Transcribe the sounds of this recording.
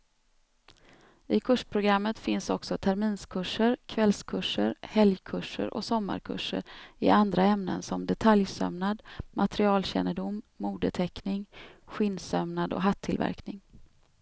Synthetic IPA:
ɪkʰɵʂpʰɾʊɡɾamːət̪fɪnsɔksɔt̪ʰæɾmiːnskʰɵʂːəɾkʰvɛlskʰɵʂːəɾhɛljkʰɵʂə̰ɾʔɔ̰sɔmːa̰ɾkʰɵ̰ʂːə̰ɾɪ̰ʔand̪ɾaɛmnə̰nsɔmd̪ɛt̪ʰaljsœ̰mnad̪mat̪ɾɪɑːlɕɛ̰nəɖʊmːuːd̪ət̪ʰɛknɪŋɧɪnsœmnad̪ɔ̰ɦat̪ʰːɪlvæ̰ɾknɪŋ

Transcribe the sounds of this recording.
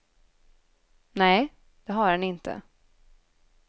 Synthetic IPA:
nɛː | d̪̥ɛɦaɾɛnɪnt̪ə̰

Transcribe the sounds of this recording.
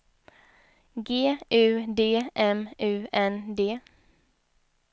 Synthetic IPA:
ɡeːʔʉːd̪eːʔɛmʔʉːɛnd̪eː

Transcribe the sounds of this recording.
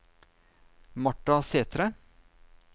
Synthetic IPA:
mɑʈːɑseːt̪ɾə

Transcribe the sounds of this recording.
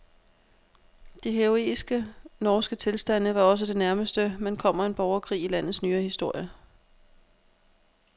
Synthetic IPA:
d̥iɦeoe̝̰ːsɡ̥ənɒːsɡ̥ət͡sʰe̝lsd̥æn̰əʋɑ̈ɒ̽s̬əd̥e̝næɐməsd̥əmænkʰɒ̽m̰ɐe̝nb̥ɒʊɐkʰʁḭːilæn̰ð̩ˠsnyːɐhisd̥o̝ɐ̰jə

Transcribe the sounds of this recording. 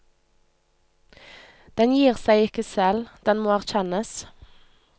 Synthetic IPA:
d̪̥ɛnjiːʁsæɪɪkəsɛld̪̥ɛnmoːæʁc͡çɛnəs

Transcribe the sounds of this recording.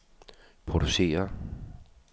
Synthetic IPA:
pʰʁoɾ̥use̝̰ːɐ

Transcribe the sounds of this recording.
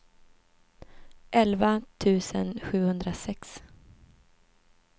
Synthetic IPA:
ʔɛlvat̪ʰʉ̟ːsənɧʉ̟ːhɵnd̪ɾasɛks

